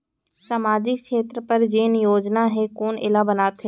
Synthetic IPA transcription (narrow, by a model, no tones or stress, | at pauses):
samaːd͡ʒɪkʃeːt̪ɾəpɐɾd͡ʒeːnjoːd͡ʒnaɦɛkoːnɪ̰labənaːt̪ʰɦeː